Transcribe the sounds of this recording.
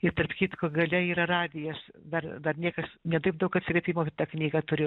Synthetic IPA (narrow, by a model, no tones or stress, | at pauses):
ɪt̪ɐrpkʲiːt̪koːɡɐlʲɛiːɾɐrɑːd̪ʲɪjɛɐʃd̪ɐrd̪ɐrnʲiɛkɐsnʲɛd̪ɐɪp̚d̪ɐʊkɐt̪ʲsʲɪɾʲɛpʲiːmoːbʲɛt̪t̪ɐknʲiːɡɐt̪ʊɾʲʊ